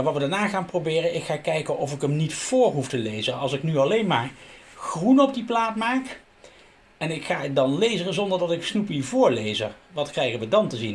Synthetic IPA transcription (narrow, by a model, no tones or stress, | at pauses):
aʋɑtʋədaɹnaːχaːnprobɪːrəʔɪkχaːkɛjkənɔfɪkəmnitfʊːɹɦuftəlejzənɑ̰lˠsɪknyɑlejnmaːɹχrunɔb̚diplaːtmaːk | ɛnɪkχaːdɑnlejzərəzɔndəɹdɑtɪksnupivʊːɹlejzə | ʋɑtkrɛjχənʋədɑntəzin